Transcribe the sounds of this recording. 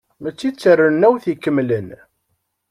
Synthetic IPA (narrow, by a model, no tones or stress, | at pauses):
mæt͡sːit͡sːərːənːæwθikːəmːlən